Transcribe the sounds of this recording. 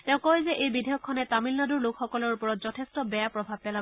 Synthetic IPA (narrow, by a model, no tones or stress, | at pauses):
tɛ̃ʊ̃kɔjzɛʔejbidʱɛjɔkʰːɔnɛtamilnadʊɹlʊkxɔkɔlɔɹupɔɹɔtz̥ɔtʰestɔbɛjapɹɔbʱab̚pɛla